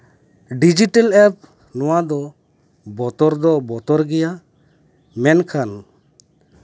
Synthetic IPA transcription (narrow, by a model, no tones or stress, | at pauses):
ɖid͡ʒiʈɛlɛp̚ | nɔwad̪ɔ | bɔt̪ɔɾd̪ɔbɔt̪ɔɾɡɛja | mɛnkʰan